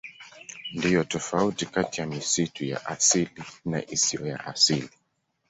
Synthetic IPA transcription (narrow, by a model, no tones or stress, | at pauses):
ndijɔtɔfautikatijamisituja̰ʔasilina̰ʔisiɔja̰ʔasili